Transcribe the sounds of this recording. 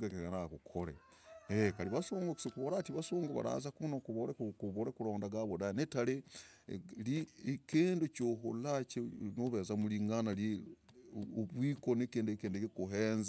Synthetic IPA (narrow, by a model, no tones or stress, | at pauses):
ɡakeanakukʰoɾḛ | ekaliβasoːŋɡoksikuβolatiβasoːŋɡoβa̰ɾa̰zakunokuβoɾekuβoɾekuloːndaɡaβodajenetale | likeːndocoɦo̰lat͡ʃenoβezamuliŋɡanali | oβwiːkonekeːndekeːndekekuɦeːnza